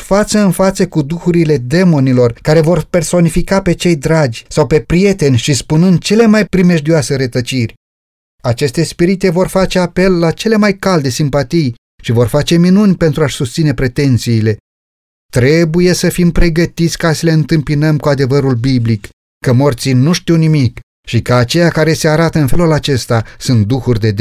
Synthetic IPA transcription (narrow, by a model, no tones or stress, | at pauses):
fat̪səɨnfat̪səkud̪uxuɾile̞d̪e̞mo̞nilo̞rkaɾe̞vo̞rpe̞rso̞nifikape̞t͡ʃe̞jd̪ɾad͡ʒʲsawpe̞pɾije̞t̪e̞nʲʃispunɨnd̪̚t͡ʃe̞le̞majpɾime̞ʒd̪iase̞ɾet̪ət͡ʃirʲ | at͡ʃe̞st̪e̞spiɾit̪e̞vo̞rfat͡ʃe̞ape̞lːat͡ʃe̞le̞majkald̪e̞simpat̪ij | ʃivo̞rfat͡ʃe̞minunʲpe̞nt̪ɾuaʃʲsust̪sine̞pɾe̞t̪e̞nt̪siːle̞ | t̪ɾe̞buje̞səfimpɾe̞ɡət̪it̪sʲkasəle̞ɨnt̪ɨmpinəmkuad̪e̞vəɾulbiblikː | əmo̞rt̪sinuʃt̪iwnimik | ʃikəat͡ʃe̞jakaɾe̞se̞aɾat̪əɨnfe̞lulat͡ʃe̞st̪asunt̪̚d̪uxurʲd̪e̞d̪